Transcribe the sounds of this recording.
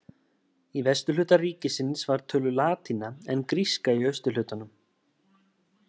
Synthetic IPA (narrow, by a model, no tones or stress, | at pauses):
ivɛst̪ʏlʏːt̪ariːcɪsɪnsvaɾ̥t̪ʰœːlʏlaːt̪ʰinaɛnkɾiskaiœɥst̪ʏlʏːt̪anʏm